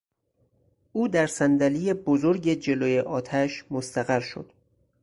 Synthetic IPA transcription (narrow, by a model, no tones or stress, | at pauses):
ʔuːd̪æɾsænd̪ælijebozoɾɟe̞d͡ʒe̞loːjeʔɒːt̪ʰæʃmost̪æɣæɾʃo̰d̪̥